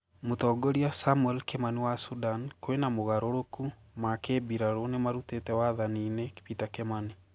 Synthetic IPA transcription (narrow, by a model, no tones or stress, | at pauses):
motɔːɡɔɾiasamuɛlkemaniwasudankoenamoɣaɾoɾoku | makebiɾaɾonemaɾutetɛwaðanineke̥pitakɛmani